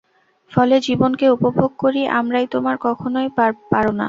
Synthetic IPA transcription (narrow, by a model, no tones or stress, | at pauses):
fɔled͡ʑibonkeupobʱoɡ̚koɾiʔa̰mɾajt̪omaɾkɔkʰonojapaɾona̰